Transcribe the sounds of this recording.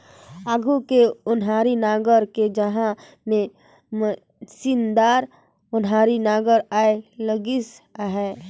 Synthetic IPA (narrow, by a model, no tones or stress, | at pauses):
aːɡʱukeʊnɦaːɾinaːɡəɾked͡ʒəɦã | mẽ | mə | sind̪aːɾ | ʊnɦaːɾinaːɡəɾaːeləɡisaɦɛː